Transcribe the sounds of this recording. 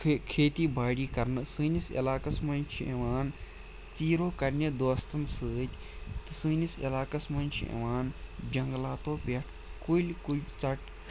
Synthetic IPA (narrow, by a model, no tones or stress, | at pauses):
kʰeːt̪iːbʱaːɽiːkɐɾnɨsɨːnisɐ̰laːkɐsmɐnt͡ʃʰiḛʋaːn | t͡siːɾoːkɐɾnʲed̪oːst̪ɐnsɨːt̪ʲ | t̪ɨsɨːnisɐ̰laːkɐsmɐnʲt͡ʃʰḭḛʋaːnd͡ʒɐŋɡlaːt̪oːpeʈʰ | kuilʲkulʲt͡sɐʈ